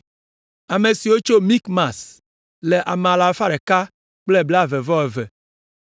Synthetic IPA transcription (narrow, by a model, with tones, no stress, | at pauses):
a˨me˨si˨wo˦t͡ʃo˦mĩ˦kma˨s | le˨ʔa˨mẽ˨a˨la˨fa˦ɖe˨ka˦ | k͡ple˦bla˦ve˨vɔ˦ɛ˨vɛ˨